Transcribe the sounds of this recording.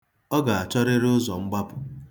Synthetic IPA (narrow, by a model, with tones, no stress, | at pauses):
ɔ˦ɡa˨a˨t͡ʃɔ˦ɾe˦ɾʊ˦zɔ˨ŋ͡m̩˦ɡ͡ba˦pʊ˨